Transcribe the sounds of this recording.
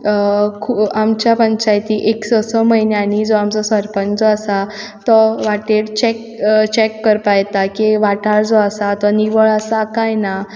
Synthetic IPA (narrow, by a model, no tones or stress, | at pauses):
kʰuamt͡ɕjapəɲt͡ɕajt̪iʔeksɔsɔməɦinjaɽid͡zoamt͡sɔsʋəɾpənd͡zɔasa | t̪ɔʋaʈeɽt͡ɕɛk | t͡ɕekːəɾpajt̪akiʋaʈaɭd͡zɔasat̪ɔniʋəɭasakajna